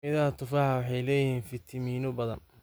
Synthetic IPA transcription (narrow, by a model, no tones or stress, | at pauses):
ʔɪðat̪ʰʊfɑːħawɑħɑjlɛːjɪhiːnfɪt̪ʰɪmiːnʊbɐðɐ̰n